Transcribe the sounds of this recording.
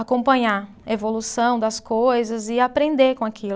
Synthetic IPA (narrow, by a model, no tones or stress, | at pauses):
akõmpɐ̃ɲa | evolusɐ̃w̃d̪ɐskojzɐzɪapɾẽnd̪ekõakʰil